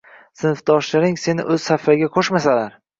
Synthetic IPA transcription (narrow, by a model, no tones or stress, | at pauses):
sɪnfd̪ɒʃlaɾɪŋse̞nɪ̰ʔɵz̥safaɡʲaqʰoʃmasalaɾ